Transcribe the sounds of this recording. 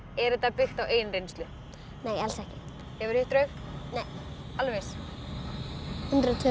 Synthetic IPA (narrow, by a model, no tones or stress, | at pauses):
ɛɾʏt̪apɪxt̪aweːjnrejnst̪lʏ | neːjalsɛhcɪ | hɛvʏɾ̥hʏht̪ɾœɥxnejalvejs | hʉnt̪ɾʏðt̪ʰʏ